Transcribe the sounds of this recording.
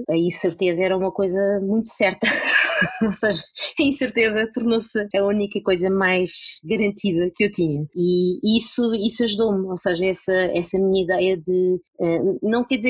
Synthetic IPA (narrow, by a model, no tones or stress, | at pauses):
ɐĩsɨɾt̪ezɐɛɾɐumɐkojzɐmũj̃t̪u̥sɛɾt̪ɐ | osɐʒɐɐĩsɨɾt̪ezɐpuɾknõsɐunikɐkojzɐmajʒɡɐɾɐ̃nt̪ʰiðɐkewt̪iɲɐiisuisuɐʒuðomosɐʒɐɛsɐɛsɐmiɲɐiðɛjɐðɨɛnɐ̃w̃kɛɾd̪izeɾ